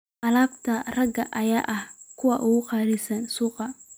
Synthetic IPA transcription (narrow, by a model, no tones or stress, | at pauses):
ʔɐlaːbt̪ʰɐrɐɡɐʔɐjaːʔɐhkʰʊwɑʔʊɣʊqɑːɾɪsɐnsuːqɑ